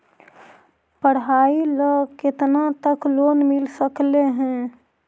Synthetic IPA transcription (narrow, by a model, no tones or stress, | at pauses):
pəɽɦaːiləkɪt̪nat̪əkloːnmɪlsəkleɦɛ̃ː